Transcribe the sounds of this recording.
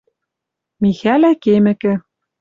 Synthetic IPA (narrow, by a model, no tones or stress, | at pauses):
mixælækemɘ̆kɘ̆